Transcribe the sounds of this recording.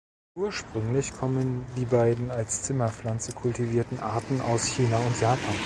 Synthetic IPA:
ʔuːɐʃpʁ̥ʏŋlɪçkʰɔməndiːbaɪdn̩alst͡sɪmɐflant͡səkʰʊltiviːɐtn̩ʔa̰ɐtn̩ʔa̰ʊsçiːnaʊntʰjaːpʰaːn

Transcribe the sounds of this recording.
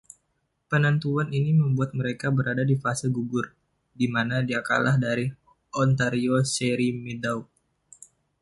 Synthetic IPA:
pənant̪uaniniməmbuat̪̚məɾekabəɾadadifasɪlɡuɡʊr | dimanadiaka̰lʔahdaɾi | ɔnt̪aɾioseɾimidauk̚

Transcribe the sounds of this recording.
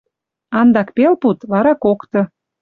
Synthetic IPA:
ɑnd̪ɑkpelput̪βɑɾɑkokt̪ɤ̆

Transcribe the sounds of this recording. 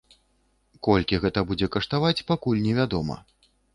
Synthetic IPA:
kɔlʲkʲiɣɛt̪ɐbud͡zʲɛkɐʂt̪avat͡sʲpakulʲnʲɛvʲad̪ɔmɐ̰

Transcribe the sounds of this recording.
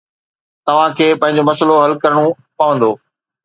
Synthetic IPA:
t̪ɐʋ̤ãkʰeːpɐ̃ɦɪ̃ɲ̆d͡ʑomɐsəloɦɐlkɐɾəɽ̃o | pɐʋə̃nd̪oː

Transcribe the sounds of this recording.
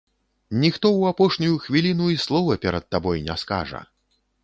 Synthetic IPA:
nʲixt̪ɔwapɔʂnʲujuxvʲilʲinuislˠɔvɐpʲɛɾɐt̪̚ːabɔjnʲɛska̰ʐɐ̰

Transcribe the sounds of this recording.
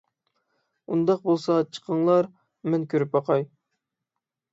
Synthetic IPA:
und̪ɑq̚bolˠsɑt͡ʃʰə̥qʰəŋlˠɑɾ | mɛnkʲʰøɾypɑqʰɑj

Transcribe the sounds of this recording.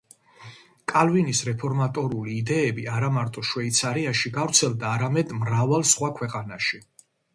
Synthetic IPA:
kʼalvinisɾɛpʰɔɾmat̪ʼɔɾuliːd̪ɛɛbiaɾamaɾt̪ʼɔʃwɛit̪sʰaɾiaʃiɡavɾt̪sʰɛlˠd̪aːɾamɛd̪mɾavalˠsχwakʰwɛqʼanaʃi

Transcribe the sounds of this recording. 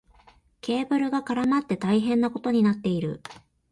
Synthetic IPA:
kʲe̞ːbɯ̟ɾɯ̟ɡakaɾamat̪ːe̞t̪aiɦẽ̞nːako̞t̪o̞ɲ̟inat̪ːe̞iɾɯ̟̰

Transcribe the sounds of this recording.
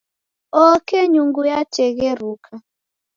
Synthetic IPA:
ɔkeɲuŋɡujat͡ʃeɣeɾukʰa

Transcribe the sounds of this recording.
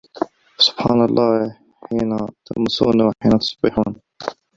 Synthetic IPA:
wsʊb̥ħɑːnɑlˤːɑː | ħiːnat̪a̰ʔmʊsuːnwħiːnat̪ʊ̥sˤbɪħuːn

